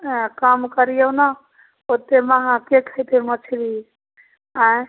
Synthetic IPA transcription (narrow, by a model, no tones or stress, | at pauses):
kamkəɾijona | ot̪ːemaɦãkekʰəjt̪emət͡ʃʰɾi | ã